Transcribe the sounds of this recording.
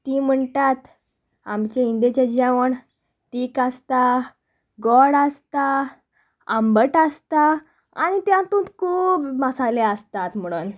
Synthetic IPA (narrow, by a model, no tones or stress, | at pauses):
t̪iːm̤əɳt̪at̪ | amt͡ɕeind̪et͡ɕed͡ʑeʋəɳ | ʈiːkast̪a | ɡɔɽəst̪a | əmbəʈast̪a | a̰ñit̪jãt̪ũːt̪kʰuːbməsaleəst̪at̪m̤əɽ̃uːn